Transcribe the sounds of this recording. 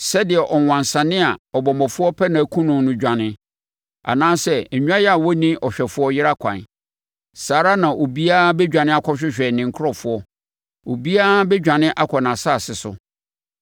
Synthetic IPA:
sɛ˦dɪ˨ɛ˨ʔɔ˨wã˨nsã˨nɪ̃˦a˨ɔ˨bɔ˨mɔ̃˨fʊ˦ɔ˦pʰɛ˦nã˨kʰũ˦nʊ̃˨˦nʊ̃˦d͡ʑᶣã˨nɪ̃˦ | a̰˨nãː˦sɛ˦˨ɲᶣ˦ã˦jɛ˦a˨wɔ˦nĩ˦ɔ˨ɕᶣɛ˨fʊ˦ɔ˦jɪ˦ɾa˦kʷʰã̰˨n | saː˨ɾa˦nã˨ʔo˨bi˦a˦bɛ˦d͡ʑᶣã˨nɪ̃˦a˦kʰɔ˦ɕᶣɪ˦ɕᶣɛ˨nɪ̃˨ŋ̩˨kʰʊ˦ɾɔ˦fʊ˦ɔ˦ | o˨bi˦a˦bɛ˦d͡ʑᶣã˨nɪ̃˦ʔa˦kʰɔ˨nã˨sa˦˨sɪ˨sʊ˦

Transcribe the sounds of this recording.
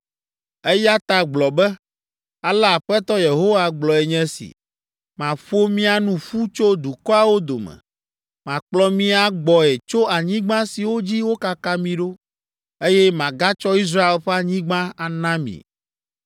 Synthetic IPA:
e˦ja˦t̪a˨ɡ͡blɔ˨bɛ˦ | a˨la˨ɸɛ˦t̪ɔ˦je˨ɦo˦wa˦ɡ͡blɔ˨ɛ˨ɲɛ̃˦sḭ˨ | mã˨ɸo˦mĩ˦a˨nũ˨ɸu˦t͡ʃo˦d̪u˨kɔ˦a˨wo˦d̪o˨mɛ̰̃˨ | mã˨k͡plɔ˦mĩ˦a˨ɡ͡bɔ˨ɛ˨t͡ʃo˦a˨ɲĩ˦ɡ͡bã˦si˨wo˦d͡ʑi˦wo˦ka˦ka˦mĩ˨ɖo˦ | e˦jɛ˦mã˨ɡa˦t͡ʃɔ˦i˦s̬ɾa˦e˦lɸɛ˦a˨ɲĩ˦ɡ͡bã˦a˨nã˦mḭ̃˨

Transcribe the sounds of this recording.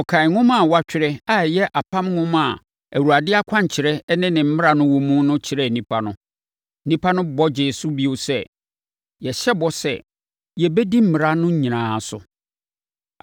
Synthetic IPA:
ɔ˨kʰa˨ɪ˨ŋʊ̃˦mã˨wa˦t͡ɕᶣɪ˨˦ɾɛ˦a˨jɛ˦ʔa˨pʰã˦mŋʊ̃˦ma˨ | æ˨wu˨ɾa˨dɪ˦a˦kʷʰã˦ɲ˨t͡ɕʰɪ˨ɾɛ˦nɪ̃˦nɪ̃˨m̩˦mɪ˦ɾa˨nʊ̃˦wɔ̃˨mũ˦nʊ̃˦t͡ɕʰɪ˨˦ɾɛ˦˨nĩ˦pʰa˦nʊ̃˦ | nĩ˦pʰa˦nʊ̃˦bɔ˦d͡ʑeɪ˨su˦bi˦o˦sɛ˦ | jɛ˨ɕɛ˦bɔ˦sɛ̰˨ | jɛ˨bɛ˦di˦m̩˦˨mɪ˨ɾa˦nʊ̃˦ɲ̩˦ɲĩ˨nãː˨sʊ̰˨

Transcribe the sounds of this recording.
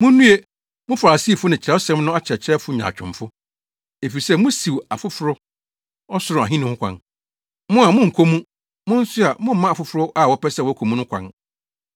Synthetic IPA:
mʊ̃˦nːũ˦e˦ | mʊ̃˦fa˨ɾa˨si˦˨fʊ˦nɪ̃˨t͡ɕʰɾɛ˦ɔ˦sɛ̃˦mnʊ̃˦a˦t͡ɕʰɛ˨t͡ɕʰɛ˦fʊ˦ɲ˨ã̰˨t͡ɕᶣʰʊ̰̃˨m˨fʊ˦ | e˨fi˨ɾi˨sɛ˦˨mʊ̃˦si˨wa˨fʊ˦fʊ˨ɾʊ˦ | ɔ˦sʊ˨˦ɾʊ˨a̰˨ɦĩ˦nʊ̃˦hʊ̃˦kʷʰã̰˦n | mʊ̃˦a˨mʊ̃˦ŋ̩˨kʰo˦mũ˦ | mʊ̃˦n̩˦sʊ˦a˨mʊ̃˦m̩˦mã˦a˨fʊ˨fʊ˨ɾʊ˦ʔa˦˨wɔ˨pʰɛ˦sɛ˦˨wɔ˨˦kʰo˨mũ˦nʊ̃˦kʷʰã̰˦n

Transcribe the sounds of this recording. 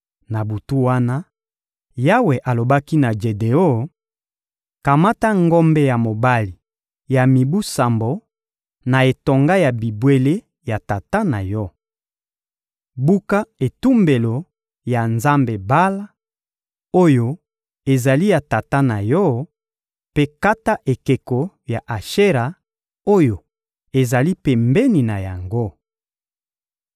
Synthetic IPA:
na˨bu˨tu˦wa˦na˦ | ja˦we˨ʔa˨lo˨ba˦ki˦na˨d͡ʒe˨de˨o˦ | ka˨ma˦ta˦ŋɡo˦mbɛ˦ja˨mo˨ba˦li˨ | ja˨mi˨bu˦sa˨mbo˨ | na˨e˨to˨ŋɡa˦ja˨bi˨bwe˦le˦ | ja˨ta˨ta˦na˨jɔ˦ | bu˦ka˦e˨tu˦mbe˨lo˨ | ja˨nza˦mbe˨ba˦la˦ | o˦jo˦ | e˨za˨li˦ja˨ta˨ta˦na˨jɔ˦ | pe˦ka˦ta˦ʔe˨ke˨ko˨ | ja˨ʔa˨ʃe˦ʁa˨ | o˦jo˨ | e˨za˨li˦pɛ˨mbɛ˦ni˨na˨ja˨ŋɡo˦

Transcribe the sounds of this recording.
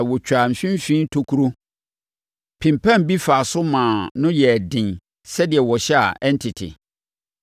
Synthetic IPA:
wɔ˨t͡ɕʰᶣa˨m̩˨fĩ˦m˦fĩ˦tʰo˦kʰu˦ɾo˦ | pʰɪ̃˨mpʰã˦mbi˦fa˨sʊ˦mãː˨nʊ̃˦jɛ˨dɪ̃˨n | sɛ˦dɪ˨ɛ˨wɔ˨ɕɛ˦a̰˨ʔɛ̃˦ntʰɪ˨tʰḭ˨

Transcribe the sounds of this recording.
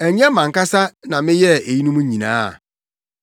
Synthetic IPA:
ɛ˨ɲ˦ɛ˦mã˨ŋ̩˨ka˦sa˦nã˨mɪ̃˦jɛ˦e˨ji˦nũ˦mũ˦ɲĩ˨nã̰ː˨˦˨

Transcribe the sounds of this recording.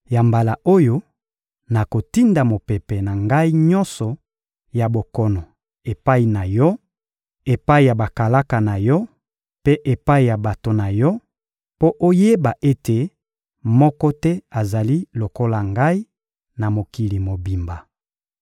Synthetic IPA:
ja˨mba˨la˨ʔo˦jo˦ | na˨ko˨ti˦nda˨mo˨pɛ˨pɛ˨na˨ŋɡa˦i˦ɲɔ˦nsɔ˨ | ja˨bo˨kɔ˦nɔ˨ | e˨pa˦i˨na˨jɔ˦ | e˨pa˦i˨ja˨ba˨ka˨la˦ka˨na˨jɔ˦ | pe˦ʔe˨pa˦i˨ja˨ba˨to˨na˨jɔ˦ | po˦ʔo˦je˦ba˨ʔe˦te˨ | mɔ˦kɔ˦tɛ˦a˨za˨li˦lo˨ko˦la˨ŋɡa˦i˦ | na˨mo˨ki˨li˨mo˨bi˨mba˨

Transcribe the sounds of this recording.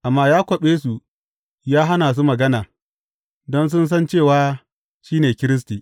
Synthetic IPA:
ʔa˨mːaː˦jaː˦kʷɐ˨ɓeː˦su˨ | jaː˦ɦa˦naː˨s̬u˦mɐ˨ɡɐ˦naː˨ | dɔ˦ns̬ʊ˦ns̬ɐ˦nt͡ʃeː˦˨waː˨˦ | ʃiː˦neː˨kʲɪ˦ɾɪ˦s̬tiː˨ʔ

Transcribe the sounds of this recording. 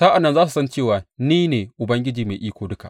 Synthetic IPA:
saː˦ʔa˨nːɐ˦nzaː˦su˨sɐ˦nt͡ʃeː˦˨waː˨niː˦neː˨ʔʊ˨bɐ˦ŋɡʲɪ˦d͡ʒiː˨meː˨ʔiː˦kʷoː˨dʊ˦ka̰˨ʔ

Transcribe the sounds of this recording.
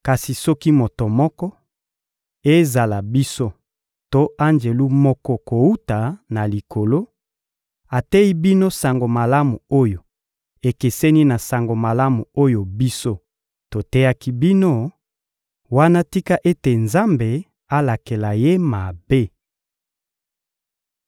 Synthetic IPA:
ka˨si˨sɔ˦ki˦mo˨to˨mɔ˦kɔ˦ | e˦za˨la˨bi˦so˦ | to˦a˦nd͡ʒe˨lu˦mɔ˦kɔ˦ko˨u˦ta˨na˨li˨kʰo˨lo˦ | a˨tɛ˦i˦bi˦no˦sa˨ŋɡo˨ma˨la˦mu˨o˦jo˨ | e˨ke˨se˦ni˦na˨sa˨ŋɡo˨ma˨la˦mu˨o˦jo˨bi˦so˦ | to˨tɛ˦ja˦ki˦bi˦no˦ | wa˦na˦ti˦ka˦ʔe˦te˨nza˦mbe˨ | a˦la˨ke˨la˨je˦ma˨be˦

